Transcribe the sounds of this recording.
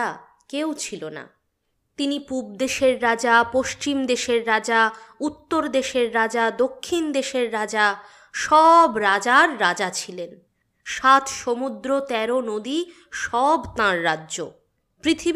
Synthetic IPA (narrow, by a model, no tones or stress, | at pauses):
a | kewt͡ɕʰilona̰ | t̪inipub̚d̪eʃeɾːad͡ʑapoʃt͡ɕimd̪eʃeɾːad͡ʑaut̪ːoɾd̪eʃeɾːad͡ʑad̪okʰːind̪eʃeɾːad͡ʑa | ʃɔbɾad͡ʑaɾːad͡ʑat͡ɕʰilen | ʃat̪ʃomud̪ɾot̪ɛɾonod̪i | ʃɔbt̪ãɾːadːʑo̰ | pɾit̪ʰi